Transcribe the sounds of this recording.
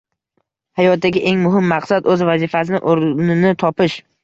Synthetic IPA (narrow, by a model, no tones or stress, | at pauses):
hajɒt̪̚d̪aɡʲɪʔe̞ŋmʊɦɪmːɑqsad̪ɵzvazifasɪnɪ̰ʔoɾnɪnɪt̪ʰɒpɪʃ